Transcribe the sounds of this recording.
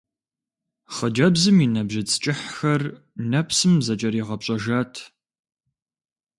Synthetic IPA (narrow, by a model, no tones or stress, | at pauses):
χəd͡ʒɐbzɨminɐbʒɪt͡sʼt͡ʃʼɪħxɐr | nɐpʰsɨmzɐt͡ʃʼɐɾiʁɐpɕʼɐʒɐtʰ